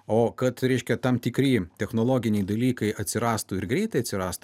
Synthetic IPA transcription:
oːkɐt̪ɾʲɛɪʃʲkʲɛt̪ɐmt̪ʲɪkɾʲiːt̪ʲɛxnoːlˠoːɡʲɪnʲɛɪd̪ɐlʲiːkɐɪʔɐt̪ʲsʲɪɾɑːst̪uːɪɾɡɾʲɛɪt̪ɐɪɐt̪ʲsʲɪɾɑːst̪ː

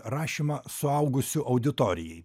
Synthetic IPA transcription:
ɾɑːʃʲimɑsʊɐʊɡʊsʲʊʔɐʊd̪ʲɪt̪oːɾʲɪjɛɪ

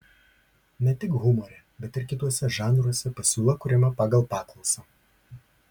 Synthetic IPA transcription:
nʲɛt̪ʲɪkɣʊmɔɾʲɛ | bʲɛt̪ɪɾkʲɪt̪uɔsʲɛʒɑːnɾuɔsʲɛpɐsʲuːlˠɐkʊɾʲɪmʲɐpɑːɡɐlˠpɑːklˠɔʊsɐː

